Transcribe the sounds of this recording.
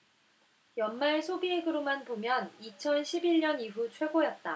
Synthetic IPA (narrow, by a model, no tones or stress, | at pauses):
jʌnmaɭsʰobieɡɯɾomanpomjʌnit͡ɕʰʌnɕʰibiɭɲʌniɦut͡ɕʰwe̞ɡojʌt̚t͈a